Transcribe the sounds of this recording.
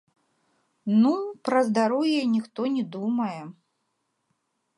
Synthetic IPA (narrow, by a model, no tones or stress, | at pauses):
nupɾɐzd̪aɾɔwjɛjnʲixt̪ɔnʲɛd̪umɐjɛ